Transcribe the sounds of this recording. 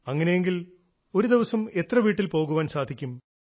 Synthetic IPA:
ɐŋːɐnejeŋɡil | o̞ɾud̪iʋɐsɐme̞t̪rɐʋiːʈːilpo̞ːɣuʋaːnsaːd̪ʱikʲːum

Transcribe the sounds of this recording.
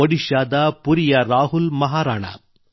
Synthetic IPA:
ɔɽɪʃaːd̪aːpʊɾɪjaːɾaːɦʊlmɐɦaːɾaːna̰ː

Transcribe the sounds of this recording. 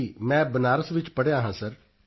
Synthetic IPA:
iːmɛ̃ːbənaːɾəsʋɪt͡ʃpəɽejaːɦãːsəɾ

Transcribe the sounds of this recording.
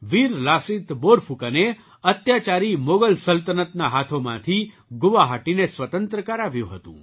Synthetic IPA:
ʋiɾlasit̪boɾfʰukane | ət̪jat͡ʃaɾimoɡəlsəlt̪ənət̪naɦat̪ʰomã̰t̪ʰi | ɡʊʋaɦaʈinesʋət̪ənt̪ɾəkaɾaʋjṵ̃ɦət̪ṵ̃

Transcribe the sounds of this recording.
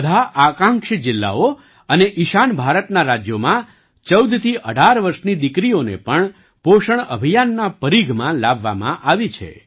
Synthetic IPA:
d̪ʱaʔakãŋkʃd͡ʒɪlːa̰o | əneʔiʃanbʱaɾət̪naɾad͡ʒjomã | t͡ʃəwd̪ʱt̪ʰiʔəɖʱaɾʋəɾʃnid̪ɪkɾionḛpəɳ | poʃəɳə̰bʱijanːapəɾiɡʱmãlabːa̰mã̰ʔaʋit͡ʃʰḛ

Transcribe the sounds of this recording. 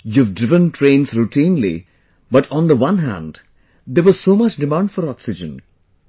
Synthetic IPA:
juːvɖɪvə̃nʈʰɾẽːnsɾuʈʰĩːnlḭ | bʌʈʰɔ̃nd̪əwʌ̃nɦæ̰̃nɖ | d̪eɾʋɔz̥soːmʌt͡ʃɖɪmãʊ̃ɳɖfɔɾɔksɪd͡ʒə̃n

